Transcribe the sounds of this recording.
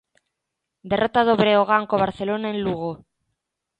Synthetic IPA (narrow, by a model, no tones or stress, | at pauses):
d̪e̞rʔot̪að̞oβɾeoɣ̞aŋkoβ̞aɾθe̞lonaenluɣ̞o